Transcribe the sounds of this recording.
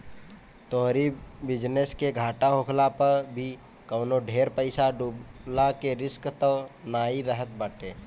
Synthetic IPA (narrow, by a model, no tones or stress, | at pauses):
t̪oɦɾibɪd͡ʒneskeɡʱaːʈaɦokʰlapəɾbʱi | kəːnoɖʱeːɾpəɪsaɖublakeɾɪskt̪ənaːiɾəɦət̪̚baːʈeː